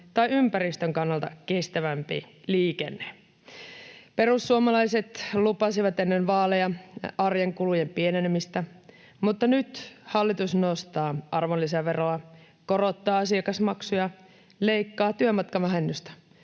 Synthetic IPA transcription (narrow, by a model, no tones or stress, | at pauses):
t̪ɑjympæɾist̪øŋkɑnːɑlt̪ɑ̰kest̪æʋæmpḭliːkḛnːe | pe̞ɾusːuomɑlɑjse̞t̪lupɑsiʋɑt̪enːenʋɑːlejɑɑrjeŋkulujempienenemist̪æ | mut̪ːɑnyt̪hɑlːit̪usnost̪ɑːʔɑrʋolːisɑʋeroɑ | koro̞t̪ːɑːɑsiɑkɑsmɑksujɑ | le̞ikːɑːt̪yømɑt̪kɑʋæɦenːyst̪æ̥